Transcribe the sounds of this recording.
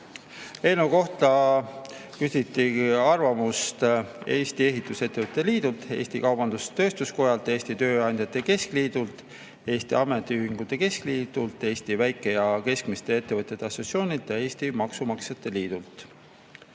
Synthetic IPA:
e̞nuko̞ht̪ɑ | kysʲit̪ːˑiɑrvɑmust̪e̞ːst̪ie̞ɦit̪ːˑuse̞t̪ːevɤt̪ʲːˑet̪liːd̪̥ult̪e̞̰ːst̪ikɑwb̥ɑnd̪̥ust̪ø̞ːst̪usko̞jɑlt̪ːˑe̞ːsʲt̪it̪ø̞ːɑnʲd̪̥ʲjɑt̪ːˑe̞ke̞skliːd̪̥ult̪ˑ | e̞ːst̪iɑme̞t̪ːˑiyːɦiŋɡut̪ːˑe̞ke̞skliːd̪̥ult̪ˑːe̞ːst̪ivæjkːˑe̞jɑke̞skmist̪e̞e̞t̪ːe̞vɤt̪ʲjet̪ːeɑso̞sjo̞ːnʲilt̪ˑjɑe̞ːst̪imɑksumɑkset̪ːˑe̞liːd̪̥ult̪ˑ

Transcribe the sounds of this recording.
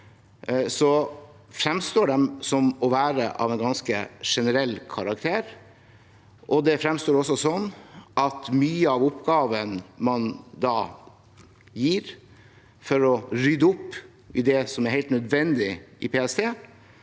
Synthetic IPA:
sɔfɾɛmst̪oːɖɛmsɔmɔʋæːɾə̰ʔɑ̰ʋɛnɡɑnskəʂɛnəɾɛlːkʰɑɾɑkt̪ʰeːɾ | ʔɔd̪ɛfɾɛmst̪oːɾɔsɔsɔnːʔɑt̪myːəɑʋʊpɡɑːʋənmɑnd̪ɑː | jiːɾ | fɔɾɔɾʏd̪əʊpː | ɪd̪ɛsɔmæɾhæɪlt̪nœd̪ʋɛnd̪ɪʔɪpʰeːɛst̪ʰeː

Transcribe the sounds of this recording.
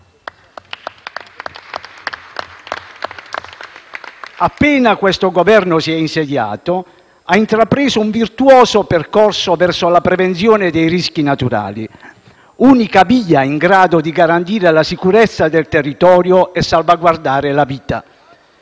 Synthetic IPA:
apːɛːnakwɛst̪oɡovɛrnʊsiɛinsed̪ja̰ːt̪o | aint̪ɾapɾeːzʊuɱvirt̪uɔːzopɛrkorsovɛrsolapɾɛvent̪sjɔːned̪ɛjrisk̟inat̪uɾa̰ːlḭ | uːnikaviːaiŋɡɾaːd̪od̪iɡaɾant̪iːɾelasikuɾɛt̪sːad̪ɛlt̪erːit̪ɔːɾjoɛsːalvaɡward̪aːɾelaviːt̪a̰

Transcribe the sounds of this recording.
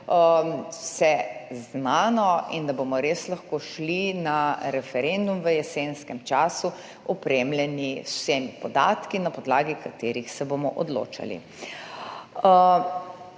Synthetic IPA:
wsɛznaːnɔḭnd̪abomɔɾeːslaxkoːʃlinaɾɛfɛɾend̪umʋəjɛsenskɛmt͡ʃaːsu | ɔpɾemljɛniu̥senipɔd̪aːt̪kinapɔd̪laːɡikat̪eːɾixsɛbomɔʔɔd̪lo̰ːt͡ʃa̰lḭ

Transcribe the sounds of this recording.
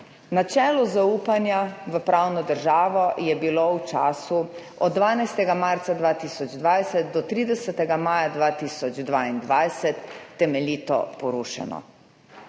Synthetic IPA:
nat͡ʃɛːlɔzauːpanjaʋəpɾawnɔd̪əɾʒaːʋɔjɛbilowt͡ʃa̰ːsu | ɔ̰d̪̚ːʋaːnajst̪ɛɡamaɾt̪sad̪ʋaːt̪iːsɔd͡ʒd̪ʋajsɛt̪̚d̪ɔt̪ɾiːd̪ɛsət̪ɛɡamaːjad̪ʋaːt̪iːsɔd͡ʒd̪ʋaːind̪ʋajsɛt̪ːɛmɛliːt̪ɔ̰pɔɾuːʃɛ̰nɔ̰

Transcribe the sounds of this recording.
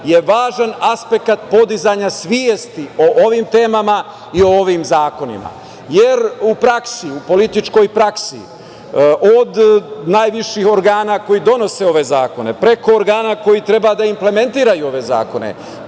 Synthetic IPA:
je̞ʋaːʒanaspe̞kat̪po̞d̪izaɲasʋjiest̪io̞ʔoʋimt̪e̞ːmama | io̞o̞ʋimzaːko̞nḭma̰ | je̞ɾupɾaksiupo̞lit̪it͡ʃko̞jpɾaksḭ | ʔod̪naːjʋiʃiho̞ɾɡaːnako̞jid̪o̞no̞se̞o̞ʋe̞zaːko̞ne̞pɾe̞ko̞ːɾɡaːnako̞jit̪ɾe̞bad̪aimple̞me̞nt̪iːɾajuo̞ʋe̞za̰ːko̞nḛ

